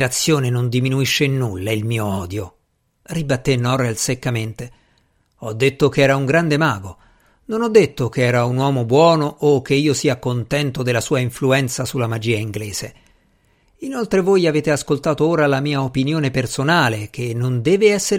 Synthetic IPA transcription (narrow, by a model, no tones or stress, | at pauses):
ɾat̪sːjoːnenond̪iminuiʃːenulːailmiːoɔːd̪jo | ribat̪ːenːɔɾɛlsekːament̪e | ɔd̪ːet̪ːokeɛːɾauŋɡɾand̪emaːɡo | nonɔd̪ːet̪ːok̟eɛːɾaunwɔːmobwɔːnoʔokːeiːosiːakont̪ɛnt̪od̪elːasuːaiɱfluɛnt̪sasulːamad͡ʒiːaiŋɡleːz̥e | inolt̪ɾevojaveːt̪easkolt̪aːt̪ooːɾalamiːaopinjoːnepersonaːlek̟ʰenːond̪ɛːveɛsːeɾ